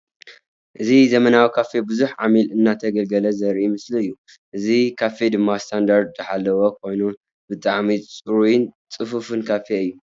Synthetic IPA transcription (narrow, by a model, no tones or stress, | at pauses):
ʔɨzizɐmɐnawikʰafe̞bɨzuħʕa̰milɨnːat̪ʰɐɡɐlɡɐlɐzɐɾʔimɨsliɨjːu | ʔɨzikʰafed̪ɨmːast̪ʰand̪aɾd̪zɨħalːɐwokʰo̞jnu | bɨt̪ʼaʕmit͡sʼɨɾujɪnt͡sʼɨfufɨnkʰafeɨjːu